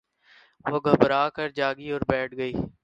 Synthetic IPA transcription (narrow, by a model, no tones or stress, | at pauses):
ʋoːɡʱəbəɾaːkəɾd͡ʒaːɡiːoːɾbɛːʈʰɡəiː